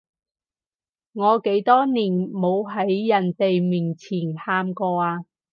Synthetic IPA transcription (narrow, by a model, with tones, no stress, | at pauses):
ŋɔː˨˧ke˨˥jt̪ɔː˥niː˨˩nmo˨˧wɦɐ˨˥jːɐ˨˩nt̪e˨jmiː˨˩nt͡sʰiː˨˩nhaː˧mkɔː˧aː˧